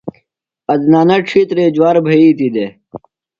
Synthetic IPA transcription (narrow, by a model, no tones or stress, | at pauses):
ɐd̪naːnɐʈ͡ʂʰit̪ɾeːd͡ʑwaːɾbʱɐiːt̪id̪e